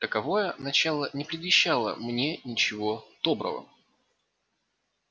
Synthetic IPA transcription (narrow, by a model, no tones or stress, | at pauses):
t̪əkɐvo̞jənɐt͡ɕalˠənʲɪpɾʲɪd̪vʲɪɕːalˠə̰mnʲe̞nʲɪt͡ɕɪvo̞d̪̥o̞bɾə̰və̰